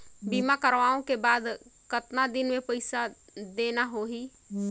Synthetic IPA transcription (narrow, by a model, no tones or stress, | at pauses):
bimakəɾʋaõkebaːd̪kət̪nad̪inmepəɪsa | d̪enaɦoɦi